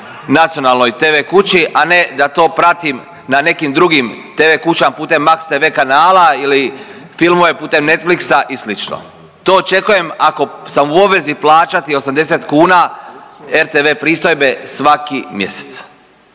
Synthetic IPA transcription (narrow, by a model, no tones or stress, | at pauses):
nat̪sijo̞nalˠno̞jt̪eʋeːkut͡ɕiʔane̞d̪at̪o̞ːpɾat̪im | nane̞kimd̪ɾuɡimt̪e̞ːʋe̞ːkut͡ɕampuːt̪e̞mːakst̪eʋe̞ːkanaːlaili | filˠmojepuːt̪e̞mne̞t̪fliksaʔislit͡ʃno̰ | t̪o̞ːt͡ʃe̞kuje̞mako̞samuobʋe̞ziplˠaːt͡ʃat̪io̞samd̪ese̞t̪kuːna | eɾt̪eʋe̞ːpɾiːst̪o̞jbe̞sʋakimje̞̰se̥t̪s